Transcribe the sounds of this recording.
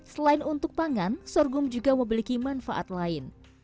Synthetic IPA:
səlaɪnunt̪ʊk̚paŋansɔrɡʊmd͡ʒuɡaməmilikimanfa̰ʔa̰t̪̚laɪn

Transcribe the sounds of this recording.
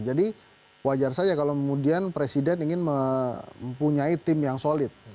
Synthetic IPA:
d͡ʒadi | wad͡ʒarsad͡ʒakalowkəmudianpɾesidɛniŋɪnmə | mpuɲait̪ɪmjaŋsolɪt̪̚

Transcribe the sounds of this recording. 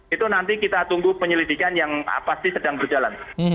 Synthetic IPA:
it̪unant̪ikit̪at̪uŋɡupəɲəlidikanjaŋa̰past̪isədaŋbərd͡ʒalan

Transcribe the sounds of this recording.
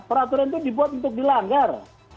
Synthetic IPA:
pəɾat̪uɾant̪udibuat̪̚unt̪ʊk̚dilaŋɡar

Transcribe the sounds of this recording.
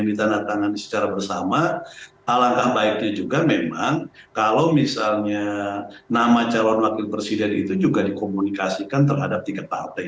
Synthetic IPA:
ndit̪andaht̪aŋanisə̥t͡ʃaɾabərsama | alaŋkahbaɪk̚ɲad͡ʒuɡamemaŋ | kalawmisalɲanamat͡ʃalɔnwakɪlpɾesidɛnḭt̪ud͡ʒuɡadikomunikasikant̪ərɦadap̚t̪iŋkat̪̚pa̰rt̪a

